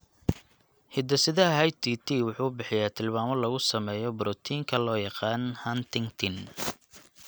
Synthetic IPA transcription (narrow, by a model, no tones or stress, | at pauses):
hɪd̪ɐsɪðɐɦɐjt̪ʰiːt̪ʰiːwʊħuːbɪħɪjat̪ʰɪlmaːmɔlɐɣʊsɐmɛːjɔbʊɾɔt̪ʰiːŋkʰɐlɔːjɑqɑːnhɐnt̪ʰɪŋt̪ʰɪn